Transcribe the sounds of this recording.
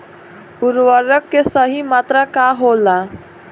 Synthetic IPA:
ʊɾʋəɾəkːesəɦimaːt̪ɾakaɦola

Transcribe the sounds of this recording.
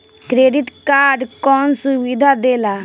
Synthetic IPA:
kɾeːɖiʈkaːɾɖkɔːnsuʋid̪ʱad̪eːla

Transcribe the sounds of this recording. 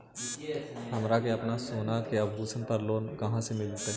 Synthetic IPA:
ɦɐmɾakeɐpnasoːnakeɐbɦuːsənpɐɾloːnkɐɦãsemɪld̪t̪e

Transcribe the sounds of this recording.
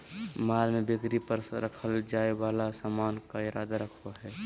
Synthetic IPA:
maːlmebɪkɾipəɾɾəkʰəld͡ʒaːewaːlasaːmaːnkaɪɾaːd̪aɾəkʰaɦɛː

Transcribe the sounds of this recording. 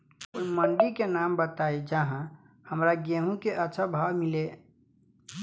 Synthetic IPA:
oːiməɳɖikenambət̪aid͡ʒəɦã | həmɾaɡeɦũkeʔətːʃʰəbʱawmile

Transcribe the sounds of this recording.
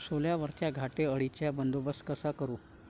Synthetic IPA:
soljaʋəɾt͡ɕjaɡʱaʈeəɽit͡ɕjabənd̪obəskəsakəɾu

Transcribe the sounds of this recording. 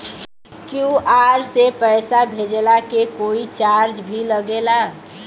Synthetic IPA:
kjuʔaɾsepɛɪsabʱed͡ʒlakekoit͡ʃaɾd͡ʒbʱiləɡela

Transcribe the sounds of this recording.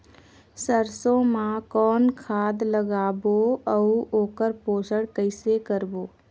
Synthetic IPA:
səɾsõmãkɔːnkʰaːd̪ləɡaːboəuoːkəɾpoːsəɽkəɪsekəɾboː

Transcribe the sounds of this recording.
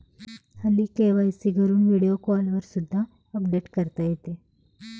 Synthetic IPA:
hɐlikeʋajsiɡʱəɾuːnʋiɽijokɔlʋəɾsud̪ʱːa | əpɖeʈkəɾt̪ajet̪e

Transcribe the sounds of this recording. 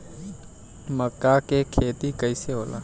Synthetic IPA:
məkːakekʰeːt̪ikəɪseɦoːla̰ː

